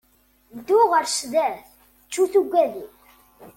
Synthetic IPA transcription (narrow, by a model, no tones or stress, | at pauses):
d̪uʁəɾʃðæθ | t͡ʃːuθuɡʷːæði